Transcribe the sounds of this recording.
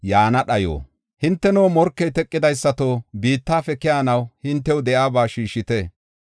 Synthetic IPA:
jaːnɐɗɐjo̰ː | hɪnt̪ːɛnoːmɔɾkːɛjt̪ɛkʼːɪd̪ɐjsːɐt̪oːbiːt̪ːaːfɛkɪjaːnɐwhɪnt̪ːɛwd̪ɛʔaːbaːʃiːʃːɪt̪e

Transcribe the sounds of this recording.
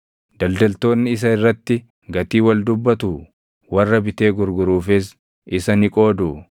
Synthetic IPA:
d̪̥ɐld̪ɐlt̪o̞ːnːɪɪs̬ɐɪrːɐt̪ːɪ | ɡɐt̪iːwɐld̪ʊbːɐt̪uː | wɐrːɐbɪt̪e̞ːɡʊɾɡʊɾuːfɪs | ʔɪsɐnɪkʼoːd̪u

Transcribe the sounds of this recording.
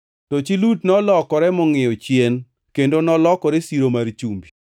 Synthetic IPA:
tot͡ʃilutnɔlɔkɔɾɛmɔŋɪjɔt͡ʃjen | kendonɔlɔkɔɾesiɾomaɾt͡ʃumbi

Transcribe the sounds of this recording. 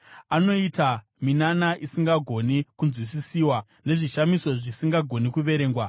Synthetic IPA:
ano̞ita | minanaʔisiŋɡaɡʱo̞nikunzwisisiːwa | ne̞ʐiʃamiso̞ʐisiŋɡaɡʱo̞nikuʋe̞ɾe̞ːŋɡwa

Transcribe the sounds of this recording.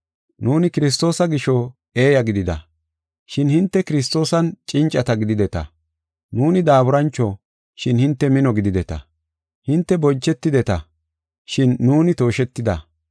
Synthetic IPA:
nuːnɪkɪɾɪs̬t̪o̞ːsɐɡɪʃɔ | e̞ːjɐɡɪd̪ɪd̪ɐ̰ | ʃɪnhɪnt̪ːɛkɪɾɪs̬t̪o̞ːsɐnt͡ʃʼɪnt͡ʃʼɐt̪ɐɡɪd̪ɪd̪ɛt̪ɐ̰ | nuːnɪd̪aːbʊɾɐnt͡ʃːɔ | ʃɪnhɪnt̪ːɛmɪnɔɡɪd̪ɪd̪ɛt̪ɐ̰ | hɪnt̪ːɛbɔnt͡ʃːɛt̪ːɪd̪ɛt̪ɐ | ʃɪnːuːnɪt̪o̞ːʃɛt̪ːɪd̪ɐ̰

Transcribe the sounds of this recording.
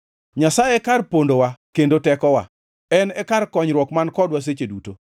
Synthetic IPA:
ɲasajekarpondowakendotɛkɔwa̰ | ɛnɛkarkɔɲɾwɔkmankɔdwas̬et͡ʃeduto

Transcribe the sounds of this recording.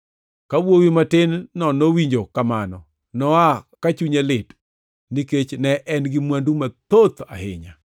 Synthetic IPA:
kawwowimatɪnːɔnowiɲd͡ʒokamanɔ̰ | nɔakat͡ʃuɲalɪt | niket͡ʃnɛʔɛnɡɪmwandumat̪ot̪a̰hɪ̰ɲa̰

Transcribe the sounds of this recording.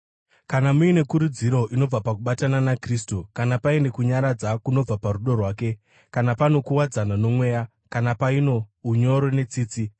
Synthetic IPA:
kanamuine̞kuɾud͡ziɾo̞ʔino̞b͡vapak̬uɓatananakriːstukanapae̞nde̞kuɲaɾad͡zakuno̞b͡vaparuɗo̞rwaːke̞ | kanapano̞kuwad͡zanano̞mwe̞ːja | kanapaino̞uɲo̞ɾo̞ne̞t͡siːt͡si

